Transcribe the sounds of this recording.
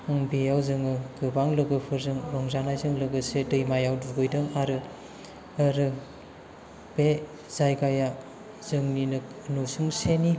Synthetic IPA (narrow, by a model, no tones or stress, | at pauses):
ɯŋbejawzɯŋɯɡɯbaŋlɯɡɯpʰɯɾzɯŋɾɔŋzanajzɯŋlɯɡɯsedɯjmajawduɡɯjdɯŋaɾɯ | aɾɯ | b̥e | zajɡaja | zɯŋninɯknosɯŋseni